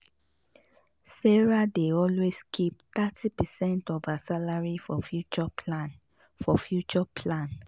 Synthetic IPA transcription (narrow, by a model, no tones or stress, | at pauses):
sɛɹadeɔlweskʰipt̪atʰipəsɛ̃ntɔvasalaɹifɔfjut͡ʃɔlan | fɔfjut͡ʃɔpʰlãn